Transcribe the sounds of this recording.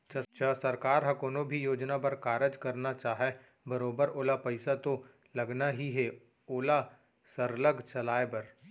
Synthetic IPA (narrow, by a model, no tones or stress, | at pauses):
t͡ʃɐt͡ʃaːsɐɾkaːɾɦɐ̃koːnõbʱijoːd͡ʒnapɐɾkaːɾəd͡ʒkɐɾnat͡ʃaːɦe | bɐɾoːbəɾoːlapɐɪsat̪o | lɐɡnaɦiɦɛ | oːla | səɾləɡʱt͡ʃɐlaːepɐɾ